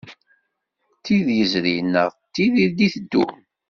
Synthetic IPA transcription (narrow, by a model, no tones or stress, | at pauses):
t̪ːiðjəzɾinːəʁt̪ːiðid̪iθəd̪ːṵ